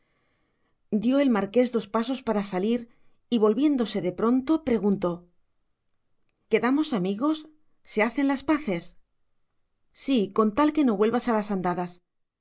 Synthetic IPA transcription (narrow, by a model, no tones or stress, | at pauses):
d̪jo̞e̞lmaɾke̞zðo̞spaso̞spaɾasaliɾ | iβo̞lβje̞nd̪o̞se̞ðe̞pɾo̞nt̪o̞pɾe̞ɣunt̪o̞ | ke̞ðamo̞samiɣo̞sː | e̞aθe̞nlaspaθe̞s | siko̞nt̪alke̞no̞βwe̞lβasalasand̪aðas